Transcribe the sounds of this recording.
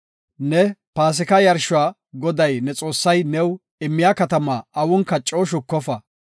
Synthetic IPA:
nɛpaːs̬ɪkɐjɐɾʃʊaː | ɡɔd̪ɐjnɛt͡sʼo̞ːsːɐjnɛw | ɪmːɪjaːkɐt̪ɐmaːɐwʊnkɐt͡ʃʼːoːʃʊkːɔfɐ

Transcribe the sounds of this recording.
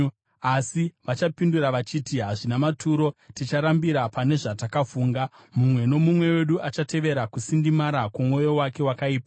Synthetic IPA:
asiʋat͡ʃapinduɾaʋat͡ʃiːtiɦaʐinamatuɾo̞tit͡ʃaɾambiɾapane̞ʐatakafuːŋɡa | mumwe̞no̞mumwe̞we̞ɗuʔat͡ʃate̞ʋe̞ɾakusindimaɾakomwo̞jo̞wake̞wakaiːpa

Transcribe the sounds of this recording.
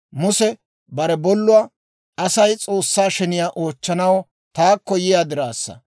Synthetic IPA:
mʊsɛ | bɐɾɛbɔlːʊwaː | ɐsɐjt͡sʼo̞ːsːaːʃɛnɪjaːʔo̞ːt͡ʃːɐnɐwɔ | t̪aːkːɔjɪjaːd̪ɪɾaːsːɐ̰

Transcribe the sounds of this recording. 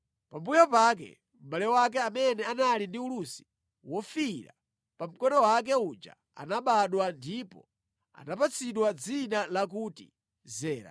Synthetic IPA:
pambujɔpak̬ɛ̰ | m̩ɓalɛɔwak̬ɛamɛnɛanalindiulusi̥ | wɔfiɾa̰ | pam̩kɔnɔwak̬ɛud͡ʒa̰ | a̰naɓaɗwandipɔ̰ | a̰napat͡sʰiɗwad͡zinalak̬uːtḭ | zɛːɾa̰

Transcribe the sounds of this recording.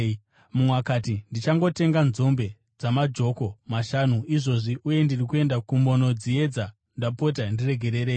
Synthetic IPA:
mumwakatindit͡ʃaŋɡo̞te̞ŋɡanzo̞mbe̞ | d͡zamad͡ʒo̞ko̞maʃanuiʐo̞ʐiʔuje̞ndirikue̞ndakumo̞no̞d͡zie̞d͡za | ndapo̞t̬andire̞ɡʱe̞ɾe̞ɾe̞ːi

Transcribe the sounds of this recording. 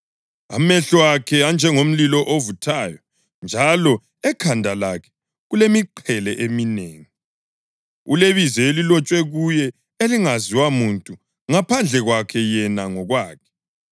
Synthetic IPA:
a̰mɛɬɔwakʰɛand͡ʒʱɛŋom̩lilɔʔovutʰaːjɔ | nd͡ʒʱalɔ | ɛkʰandʱalakʰɛ̥ | ɣulemiǃʰɛlɛʔemineːŋi | uleβizɛelilɔt͡ʃʼwɛɣujɛ | eliŋaziwamuntʼu | ŋapʰand͡ɮʱɛɣwakʰɛjɛnaŋɔɣwaːkʰɛ̥

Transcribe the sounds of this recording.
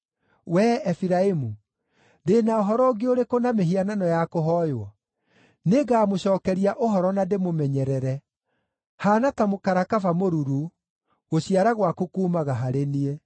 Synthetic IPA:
wɛɛfiɾaemu | ndenaoɦɔɾɔɡeoɾekonameɦiananɔjakoɦɔjwɔ | neɡaːmoɕɔːkɛɾiaʔoɦɔɾɔnademomɛɲɛɾɛɾɛ | haːnatamokaɾakafamoɾuɾu | ɣoɕiaɾaɣwakokuːmaɣaɦaɾenie

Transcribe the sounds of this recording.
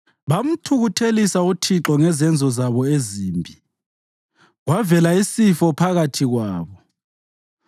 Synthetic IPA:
βam̩tʰuɣutʰelisautʰiǁɔŋɛzɛnd͡zʱɔzaβɔeziːmbʱi | ɣwavɛlaisifɔpʰaɣatʰiɣwaːβɔ

